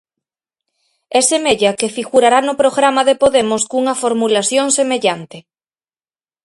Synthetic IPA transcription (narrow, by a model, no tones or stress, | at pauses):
ɛsemeʎɐkefiɣuɾaɾanʊpɾoɣɾamɐðepoðemʊskuŋɐfoɾmulasjoŋsemeʎant̪ɪ